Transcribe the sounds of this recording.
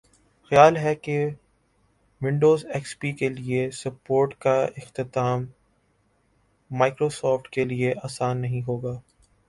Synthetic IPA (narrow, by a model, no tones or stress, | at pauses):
xɐjaːlɦɛke | ʋɪ̃ɳɖoːzɛːkspiːkeliesɐpoːɾʈkaɪxt̪ɪt̪aːm | aːɪkɾoːsɔːfʈkelieʔaːsaːnːɐɦĩɦoːɡaː